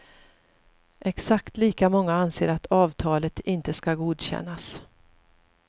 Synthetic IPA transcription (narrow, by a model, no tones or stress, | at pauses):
ʔɛksakt̪liːkamɔŋːaanseːɾat̪ʰɑːvt̪ʰɑːlət̪ɪnt̪əskaɡuːd̪ɕɛ̰nːas